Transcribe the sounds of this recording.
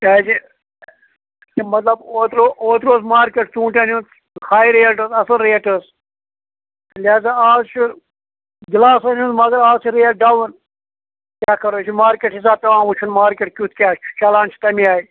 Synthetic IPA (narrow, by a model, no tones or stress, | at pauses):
taːd͡ʒi | mɐt̪lɐboːt̪ɾoːt̪ɾoːzmaːɾkʲeʈt͡sũːɳʈanunt̪ | xaːiɾeːʈəsɐsɐlɾeːʈəs | lʲaːzaaːzt͡ʃʰu | ɡilaːsɐnũnmɐɡɐɾaːzt͡ʃʰiɾeːʈ̚ɖawun | kʲaːkɐɾoːt͡ʃʰimaːɾkeʈis̬aːt̪ɐʋãːʋut͡ʃʰunmaːɾkeʈkʲut̪̚ʰkʲaːt͡ʃt͡ʃalaːnt͡ʃʰi̥t̪ɐmĩaːi